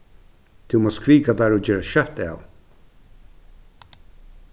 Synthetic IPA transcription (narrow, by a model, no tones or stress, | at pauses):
t̪ʰɪmɔskɾiːkat̪aːɹɔd͡ʒɛːɹaʃœht̪a̰w